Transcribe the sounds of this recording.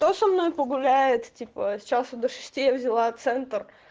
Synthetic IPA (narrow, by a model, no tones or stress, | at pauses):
t̪osɐmno̞jpəɡʊlʲæɪt̪tʲipəsʲt͡ɕasʊd̪əʂɨ̥sʲtʲejəvzʲɪlˠat̪sɛnt̪ər